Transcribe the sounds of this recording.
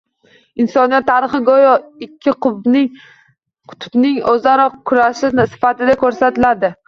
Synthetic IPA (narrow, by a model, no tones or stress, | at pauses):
ɪnsɒnijat̪ʰːaɾɨχɨɡojɒɪkʲʰːɪqʊbnɪŋ | qʰʊ̥t̪ʰʊ̥bnɪŋozaɾɒqkʰːʊɾaʃɪnsɪ̥fat̪ɪd̪akʰɵɾsat̪ɪlad̪ɪ